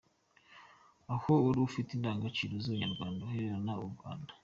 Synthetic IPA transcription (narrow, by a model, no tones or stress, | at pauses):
ahouɾuːfitindaːŋɡat͡ʃiɾozuβaɲaɾɡwaːndaheɾeɾanauɾɡwa̰ːndḁ